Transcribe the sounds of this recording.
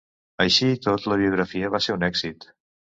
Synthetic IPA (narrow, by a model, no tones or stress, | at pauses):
əjʃit̪ot̪ləβ̞iuɣɾəfiəβaseɾunɛɡz̥it̪